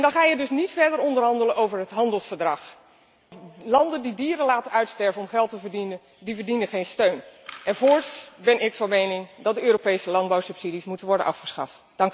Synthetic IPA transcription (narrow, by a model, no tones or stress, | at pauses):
ɛndɑnχaːjədɵsnitfɛɹdəɹɔndərɦɑndələnowvəɹɦətɦɑndəlˠsfəɹdrɑχ | lɑndəndidiːəɾəlaːtənœɥtstɛɹvənɔmχɛlˠtəvəɹdinən | divəɹdinənχejnstøɥnʔɛnvoːɹtsbɛnɪkfɑnmejnɪŋdɑt̚dəøːɾopejsəlɑndbawsɵpsidismutənʋɔɹdə̰nʔɑ̰fχə̥sχɑ̰ft | d̥ɑŋk